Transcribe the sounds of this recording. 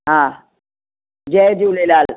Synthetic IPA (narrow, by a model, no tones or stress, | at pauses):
ɦãː | d͡ʒɛːd͡ʒuːlelaːl